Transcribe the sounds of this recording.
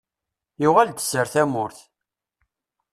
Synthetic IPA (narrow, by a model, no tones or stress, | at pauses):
jʊʁald̪ə̥səɾθæmʊɾθ